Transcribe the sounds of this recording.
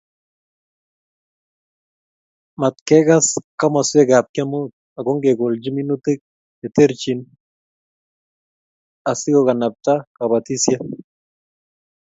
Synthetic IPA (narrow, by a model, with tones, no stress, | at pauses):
ma˨t̪̚kɛ˦ɡa˦ska˦ma˨swe˦ɡa˨p̚ka˦mu˦t̪̚ | a˨ɡo˦ŋɡe˨ɡo˨ld͡ʒi˦mi˦nu˦t̪e˦k̚ | e˨t̪e˦ɾt͡ʃi˨n | a˨sɪ˦ɡo˨ka˨na˨p̚t̪a˦ka˨ba˨t̪i˦sja˦